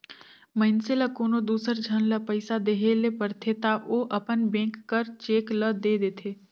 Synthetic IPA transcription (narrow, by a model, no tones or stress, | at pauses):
məɪnseləkoːnod̪uːsəɾd͡ʒʱənləpəɪsad̪eɦelepəɾt̪ʰet̪aʔoːʔɐpənbẽːkːəɾt͡ʃeːkləd̪eːd̪eːt̪ʰeː